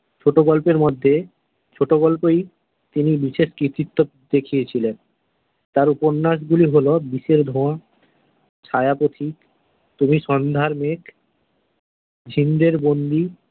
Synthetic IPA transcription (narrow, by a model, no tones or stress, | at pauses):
t͡ɕʰoʈoɡɔlpeɾmɔd̪ʱːe | t͡ɕʰoʈoɡɔlpej | t̪inibiʃeʃkɾit̪it̪ːo | d̪ekʰijet͡ɕʰilen | t̪aɾupoɾnːaʃ̬ɡuliɦolobiʃeɾd̪ʱõa | t͡ɕʰajapot̪ʰik | t̪umiʃɔnd̪ʱaɾmek | d͡ʑʱind̪eɾbond̪i